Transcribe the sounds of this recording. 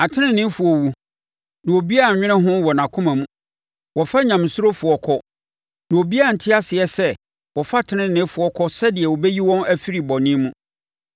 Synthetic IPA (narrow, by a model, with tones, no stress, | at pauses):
a˨tʰɪ̃˦nɪ̃˦nːɪ̃˦fʊ˨ɔ˨wu˨ | nã˨o˨bi˦a˦˨ɲᶣɪ̃˦ɾɪ̃˦ɦʊ̃˦wɔ˨nã˨kʰʊ̃˦mã˨mũ˦ | wɔ˨fa˦ɲã˨m˨sʊ˦ɾo˦fʊ˨ɔ˨˦kʰɔ˦ | nã˨o˨bi˦a˦a˨n̩˨tʰɪ˦a˦sɪ˨ɛ˦sɛ˦ | wɔ˨fa˦tʰɪ˦nɪ̃˦nɪ̃˦fʊ˨ɔ˦kʰɔ˦sɛ˦dɪ˨ɛ˨wo˨bɛ˦ji˦wɔ̃˦næ˦fi˦ɾi˨bɔ˨nɪ̃˦mũ˦